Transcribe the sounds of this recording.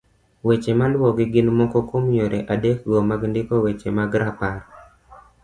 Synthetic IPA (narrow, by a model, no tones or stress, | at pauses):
wet͡ʃemandwɔɡɪɡɪnmɔkɔkomjoɾʔeʔadek̚ɡɔmaɡndɪkɔwet͡ʃemaɡɾapaɾ